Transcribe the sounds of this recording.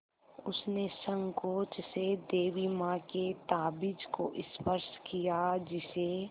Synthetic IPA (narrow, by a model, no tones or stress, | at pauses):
ʊsnesə̃ŋkoːt͡ʃsed̪eːʋimãket̪aːbɪd͡ʒkoʔɪspəɾskijad͡ʒɪse